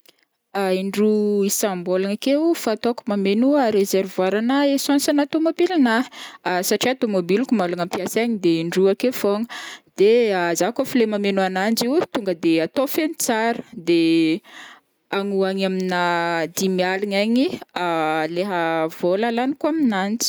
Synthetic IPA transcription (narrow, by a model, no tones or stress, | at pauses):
aiɳɖ͡ʐuisambolaŋakefaːt̪okumamenuaɾezeɾvwaɾanaesɔ̃nsanat̪omobilinasaʈ͡ʂiat̪omobilukumalaŋampiasaɲid̪eiɳɖ͡ʐuakefoŋəd̪̥eazakofilemamenuanand͡ʒiwt̪uŋɡəd̪eat̪ofenit͡saɾə̥d̪e | aŋuaɲaminad̪imialiɲaɲialeɦəvolalanikuaminant͡si̥